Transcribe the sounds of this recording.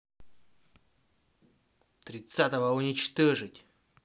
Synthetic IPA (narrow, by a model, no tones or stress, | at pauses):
t̪ɾʲɪt̪sat̪əvəʊnʲɪt͡ɕt̪oʐɨtʲ